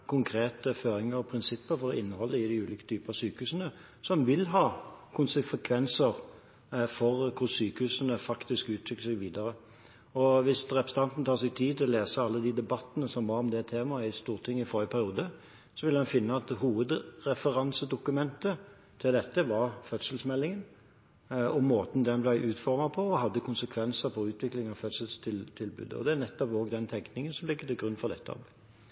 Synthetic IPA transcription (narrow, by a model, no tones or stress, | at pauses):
kʰʊŋkʰɾeːt̪əføːɾɪŋəɾɔpʰɾɪnsɪpːəɾfɔɾɔɪnːəhɔlːəɪd̪æʉːliːkə̥t̪ʰyːpəɑsyːkəʉːsənə | sɔmʋɪlɦɑːkʰʊnsəfəkʰʋɛnsəɾ | fɔʁkʰʊɾsyːkəhʉːsənəfɑkt̪ɪskʉːt̪ʰɾʏkːəsɛɡʋiːd̪ɑɾə | ɔʋɪsɾɛpəst̪ɑnt̪n̩t̪ʰɑːʁsɛɡ̚t̪ʰiːt̪ʰɪlɔleːsəɑlːəd̪iːd̪ɛbɑt̪ːənəsɔmʋɑɾɔmd̪ɛt̪ʰeːmɑɪst̪uːʁt̪ʰɪŋːəɪføːɾɪəpʰæɾɪuːd̪ə | sɔʋɪlːɑnfɪnːəɑt̪ɦuːʋəd̪ɾɛfəɾɑnsəd̪ʊkʉmɛnt̪ə | t̪ʰɪld̪ɛt̪ːəʋɑʁfœt̪səl̩smɛlːɪŋən | ɔmːoːt̪n̩d̪ɛnblæɪʔʉːt̪fɔɾmɑpʰɔɔɦɑd̪ːəkʰʊnsəkʰʋɛnsəɾfɔɾʉːt̪ʰʋɪklɪŋɑʋfœt̪səlst̪ʰɪt̪ʰɪlbʉ̰ːd̪ə̰ɔ̰d̪ɛæʁnɛt̪ːɔpoːɡd̪ɛnt̪ʰɛŋknɪŋənsɔmlɪkːəd̪ɛɡʁʉnːfɔd̪ɛt̪ːəɑ̰b